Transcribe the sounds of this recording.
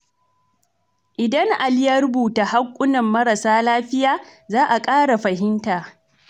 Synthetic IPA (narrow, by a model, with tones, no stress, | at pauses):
ʔɪ˨dɐ˦ŋʔa˨ljɐ˦rbuː˨ta˨ha˦kʷʼːʊ˦nɐ˨mːɐ˦ɾa˨saː˦laː˦ɸɪ˦jaː˨zaː˦ʔa˨kʼaː˦ɽa˨ɸɐ˨ɦɪ˦ntaː˨